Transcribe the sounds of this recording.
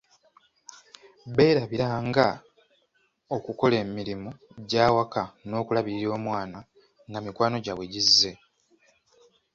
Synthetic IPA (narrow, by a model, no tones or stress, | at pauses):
be̞ːɾaβiɾaŋɡa | o̞kuko̞le̞ːmiɾimuɟaːwakano̞ːkulaβiɾiɾo̞ːmwaːna | ŋɡamikwaːnoɟawe̞ɟizːe̞